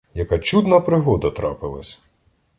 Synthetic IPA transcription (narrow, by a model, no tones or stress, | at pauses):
jɐkat͡ʃud̪nɐpɾɪɦɔd̪ɐt̪ɾɑ̰pɪlˠɐ̰sʲ